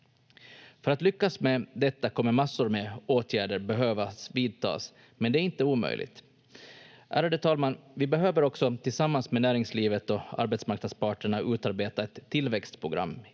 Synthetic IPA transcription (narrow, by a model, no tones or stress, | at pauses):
fœɾat̪lʏkːasmɛd̪ɛt̪ːakʰɔmːəɾmasːʊɾmɛoːt̪ʰjæːɖəɾbɛɦøːvasviːd̪̚t̪ʰɑ̰ːs | mɛnd̪ɛæɾɪnt̪əuːmœ̰jlʔɪ̰ɡt̪ | ʔæ̰ːɾaɖ̪ət̪ʰɑːlmanvɪbɛɦøːvəɾɔksɔt̪ʰɪlsamːansmɛnæːɾɪŋsliːvət̪ɔa̰ɾbɛt̪smaɾknad̪spɑːʈəɳaʉ̟ːt̪aɾbeːt̪aɛt̪ʰːɪlvɛkst̪pʰɾʊɡɾʔa̰mː